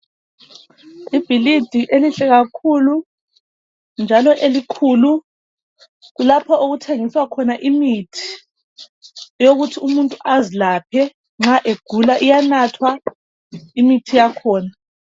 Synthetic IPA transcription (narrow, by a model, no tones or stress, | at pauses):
ib̥ʱilid̥ʱiʔeliɬɛɣakʰulu | nd͡ʒʱalɔʔelikʰulu | ɣulapʰɔʔoɣutʰeŋiswakʰɔnaʔimitʰi̥ | joɣutʰiumuntʼuʔazilapʰɛ | ŋ͡ǁaʔeɡ̥ʱulaʔijanatʰwa | imitʰijakʰɔːna